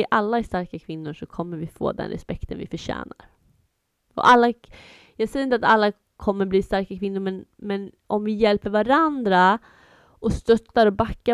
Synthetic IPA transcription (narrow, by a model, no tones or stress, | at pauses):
ɪʔalːaɛʂt̪aɾkakʰvɪnːʊʂɔkʰɔmːəɾvɪfo̰ːd̪ɛ̰nɾɛ̰spɛkt̪ʰənvɪ̰fœɕæ̰ːnaɾ | ɔ̰ʔalːa | jɑːɡsɛjɾɪnt̪at̪alːa | kʰɔmːəɾbliːst̪aɾkakʰvɪnːʊɾmɛnmɛn | ɔmvɪjɛlpəɾvaɾand̪ɾa | ʔɔst̪œt̪ːaɾɔbakːa